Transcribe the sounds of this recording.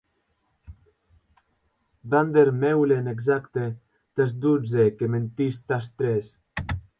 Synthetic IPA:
band̪eɾmewleneɡzakt̪e | t̪esd̪ud͡zekement̪ist̪ast̪ɾes

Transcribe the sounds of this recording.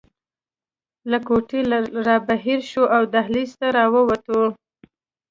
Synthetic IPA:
lakoʈelɾɑbaɦiɾʃoʔawd̪ahlist̪aɾɑwəwat̪o

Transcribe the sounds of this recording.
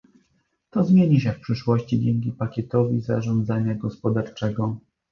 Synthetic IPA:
t̪ɔzmʲjeɲiɕɛfpʂɘʂwɔɕt͡ɕid͡ʑɛŋkʲipakʲɛt̪ɔvʲiza̰ʐɔnd̪zaɲaɡɔspɔd̪aɾt͡ʂɛɡɔ

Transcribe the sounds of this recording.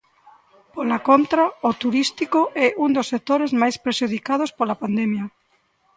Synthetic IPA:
polakont̪ɾaot̪uɾist̪ikoʔɛund̪osːek̚t̪oɾezmajspɾeʃuð̞ikað̞ʊspolapand̪ɛmjɐ

